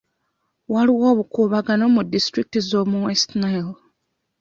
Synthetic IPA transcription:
waliwo̞ːβukuβaɡano̞mudistɾik̚tizo̞muwestnajl

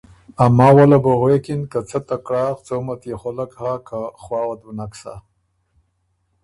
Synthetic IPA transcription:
amɑːwalaboɣwekinkat͡sat̪akɽɑːxt͡somat̪jexolakhakʰaχwɑːwad̪wunaksa̰

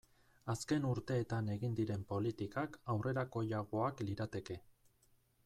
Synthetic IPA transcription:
aske̞nuɾt̪e̞ːt̪ane̞ɣind̪iɾe̞mpo̞lit̪ikakawre̞ɾako̞ʎaɣo̞akliɾat̪e̞ke̞

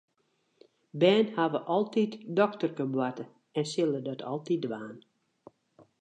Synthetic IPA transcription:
bɛːnhaʋəʔɔlˠtitdɔktərkəbwatə | ɛnsɪlˠədɔtʰɔ̰lˠtidʋaːn

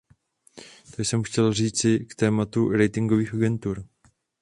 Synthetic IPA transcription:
t̪ajsɛmxcɛlr̝iːt͡sɪkt̪ɛːmat̪uɾɛjt̪ɪŋɡoviːxaɡɛnt̪uɾ

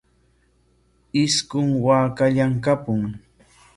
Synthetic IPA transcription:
ɪskʊŋwaːkaʎaŋkapʊŋ

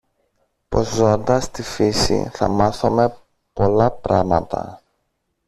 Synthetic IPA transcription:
po̞zːo̞nd̪ɐst̪ifisḭθɐ̰mɐθome̞ | po̞lɐpɾɐmɐt̪ɐ̰

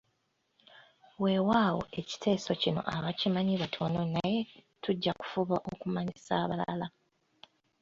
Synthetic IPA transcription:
we̞waːwo̞̰ʔe̞ci̥tʰe̞ːso̞cino̞̰ʔaβacimaɲiβwatʰo̞no̞naje̞tuɟːaku̥fuβaʔokumaɲisaːβala̰la

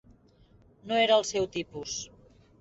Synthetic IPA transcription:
noeɾəːlˠsɛwt̪ipus

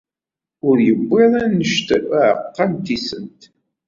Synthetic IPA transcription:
ʊɾjəbːeðˤænːəʃt̪əɾæəqːɑmt̪isənt̪

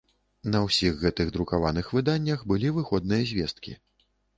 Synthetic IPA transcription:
nɐwsʲiɣːɛt̪ɨɣd̪ɾukavanɨxvɨd̪anʲːɐxbɨlʲivɨxɔd̪̚nɨjɐzʲvʲɛst̪kʲḭ

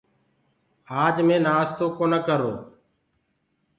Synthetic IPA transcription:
aːd͡ʒmẽːnaːst̪oːkoːnəkəɾo̰ː

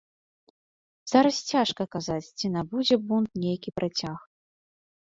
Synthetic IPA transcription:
z̥aɾɐst͡sʲaʂkɐkazat͡sʲt͡sʲinabud͡zʲɛbunt̪nʲejkʲipɾat͡sʲax

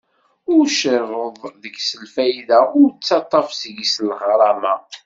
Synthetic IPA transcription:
ʊɾʃərˤəðˤðəɡsəlfæjðæʊɾt͡sːɑt̪ˤːɑfsəɡislʁɾˤɑma

